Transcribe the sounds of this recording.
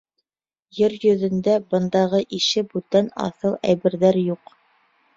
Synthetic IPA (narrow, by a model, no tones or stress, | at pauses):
jɘɾjɵ̆ðɘ̆nd̪æbɤ̆nd̪ɑʁɤʔiʃɘbʉt̪ænɑ̰θɤlˠæ̰jbɘ̆ɾðæɾjuq